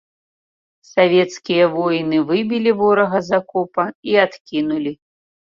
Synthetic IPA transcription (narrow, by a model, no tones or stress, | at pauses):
savʲɛt̪skʲijɐvɔjnɨvɨbʲilʲivɔɾɐɣɐzakɔpɐiat̪kʲinulʲi